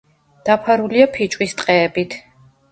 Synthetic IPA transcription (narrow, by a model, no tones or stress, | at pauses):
d̪̥apʰaɾuliapʰit͡ʃʼwist̪ʼqʼɛːbit̪ʰ